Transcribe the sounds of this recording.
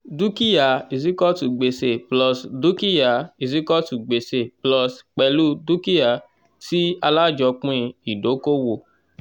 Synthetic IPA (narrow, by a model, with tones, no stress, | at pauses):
du˦ki˦ja˨i˨s̬i˦kɔ˦tu˨ɡ͡be˨se˧˨plɔ˧˨sdu˦ki˦ja˨i˨s̬i˦kɔ˦tu˨ɡ͡be˨se˧˨plɔ˧sk͡pɛ˧lu˦du˦ki˦ja˨ | ti˦a˧la˦˨d͡ʒɔ˧k͡pũ˦ĩ˧i˨do˨˦ko˦wo˧˨